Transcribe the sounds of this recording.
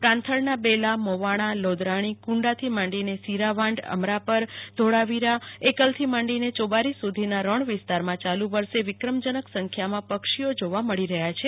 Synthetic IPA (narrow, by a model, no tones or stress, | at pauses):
pɾãnt̪ʰəɭnabelamoʋaɽ̃alod̪ɾaɽ̃ikũɳɖat̪ʰimãɳɖinesiɾaʋãɳɖə̰mɾapəɾd̪ʱoɽaʋiɾaekəlt̪ʰimãɳɖinet͡ʃobaɾisːud̪ʱinaɾəɳʋɪst̪aɾmãt͡ʃaluʋəɾʃeʋɪkɾəmd͡ʒənəksə̃ŋkʰjamãpəkʃiod͡ʒoʋaməɭiɾəɦjat͡ʃʰe